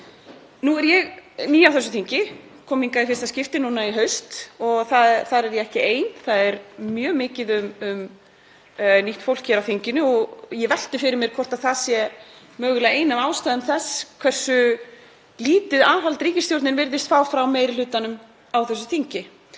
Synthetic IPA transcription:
nuɛɾjɛɣniːawθɛs̬ʏ̥θiɲcɪkʰɔːmiŋkaðɪfɪɾɪst̪ascɪft̪ɪnuːnaiɦœɥst̪ɔɣθaðθaðɾɛɾjɛɛhcɪeːjnθaðɛɾmjœːmɪːcɪðʏmʏm | niht̪fowlkːɛɾawθiɲcɪnʏɔɣjɛvɛl̥t̪ɪfɪɾɪɾmjɛɾkʰɔr̥t̪aðθaðsjɛ | mœːɣʏlɛejnavaːwst̪aːjðʏmθɛskʰvɛr̥sʏ | liːt̪ɪðaːɦalt̪ɾiːcɪst̪jowɾt̪nɪnvɪɾðɪst̪faːwfɾawmeːjɾɪlʏːt̪anʏm | awθɛsːʏθiɲcɪ

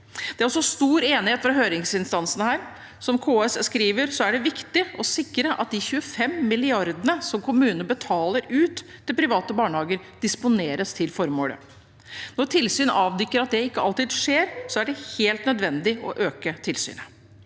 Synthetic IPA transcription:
d̪̥ɛæɾɔsːɔst̪uːɾeːnɪheːt̪fɾɑɦøːɾɪŋsɪnst̪ɑnsənhæːɾ | sɔmkʰoːɛsskɾiːʋəɾsɔæɖɛʋɪkt̪ɪɔsɪkːɾəʔɑ̰t̪̚d̪ɪçʉːəfɛmːɪlɪɑɾd̪ənəsɔmkʰʊmʉːnəəbət̪ʰɑːləɾʉːt̪ːɪlpʰɾɪʋɑːt̪əbɑːɳəhɑːɡəɾ | d̪̥ɪspʊneːɾəst̪ʰɪlfɔɾmoːlə̰ | nɔʈʰɪlsyːnɑːʋd̪ykːəɾɑt̪̚d̪ɛɪkːəɑlt̪ɪːd̪ʂeːɾsɔæɖɛheːlt̪nœd̪ʋɛnd̪ɪɔ̰ʔøːkət̪ʰɪlsy̰ːnə

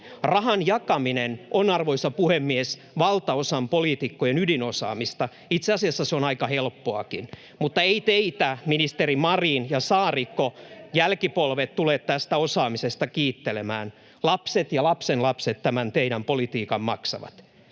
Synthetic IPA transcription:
rɑɦɑnjɑkɑminenʔonɑrʋoisɑpuhemːies | ʋɑlt̪ɑosɑmpolit̪ikːojenydinosɑ̰ːmist̪ɑ | it̪seɑsiɑsːɑseonɑikɑhelpːoɑ̰kin | mut̪ːɑeit̪eit̪æminist̪eɾimɑriːnjɑsɑːrikːojælkipolʋet̪t̪uleːt̪t̪æst̪æosɑːmisest̪ɑkiːt̪ːelemæ̰ːn | lɑpset̪jɑlɑpsenlɑpset̪tæmænt̪eiɾæmpolit̪iːkɑmmɑksɑ̰ʋɑ̰t̪

